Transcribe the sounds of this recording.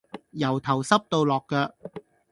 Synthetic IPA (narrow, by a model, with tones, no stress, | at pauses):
jɐ˨˩wt̪ʰɐ˨˩wsɐ˥p̚t̪o˧wlɔː˨kːɐː˧